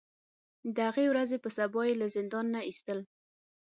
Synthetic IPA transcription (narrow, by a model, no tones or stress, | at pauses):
d̪əhaɣewɾazepəsabɑjelazɪnd̪ɑnːaist̪əl